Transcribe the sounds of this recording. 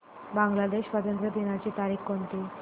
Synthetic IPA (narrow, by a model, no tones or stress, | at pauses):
bãŋɡlad̪eɕʋət̪ənt̪ɾəd̪inat͡ɕiːt̪aɾixkont̪iː